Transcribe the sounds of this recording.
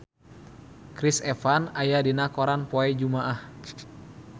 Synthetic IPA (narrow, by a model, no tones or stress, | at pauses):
kɾisɛfanajadinakoɾanpoɛd͡ʒumaʔah